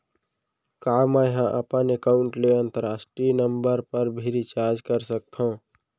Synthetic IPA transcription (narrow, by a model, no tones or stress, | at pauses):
kaməjɦãʔəpənekaːʊɳʈleə̃nt̪əɾaːsʈɾinəmbəɾpəɾbʱeɾit͡ʃaɾd͡ʒkəɾsək̚t̪ʰõ